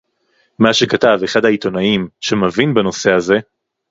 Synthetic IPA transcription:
maʃe̞kataveχadhait̪o̞naimʃe̞mavinbeno̞se̞haze̞

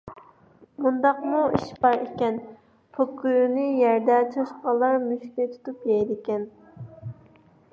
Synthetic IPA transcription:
mund̪ɑqmuiʃbɑɾekʲɛn | pʰokʰːyjnɪjɛɾd̪ɛt͡ʃʰɑʃqɑlˠːɑɾmyʃkʲɛt̪ʰu̥t̪upjɛjd̪ɪkʲɛn

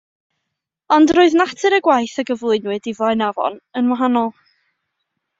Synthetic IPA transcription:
ɔndrʊːɨðnatʰɨɾəɡwajθəɡəvlˠɨɨnwɨdivɔɨnavɔ̰nənwaɦanɔlˠ

